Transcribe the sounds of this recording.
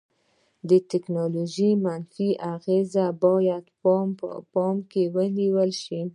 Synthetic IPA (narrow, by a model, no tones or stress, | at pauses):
d̪ət̪ɪknɑloʒimanfiʔaɣezabɑjad̪pmə̰pɑmkewəniwəlʃi